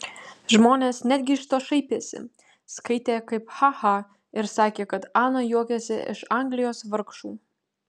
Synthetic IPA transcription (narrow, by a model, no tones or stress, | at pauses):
ʒmoːnʲeːsnʲæd̪ʲɡʲɪɪʃt̪oːʃɐɪpʲiɛsʲɪ̰ | skɐɪt̪ʲeːkɐɪpxɑhɑ | ɪɾsɑːkʲeːkɐt̪ɑːnɐjuɔkʲɛsʲɪɪ̰ʃɐŋɡlʲɪjoːsʋɐɾkʃuː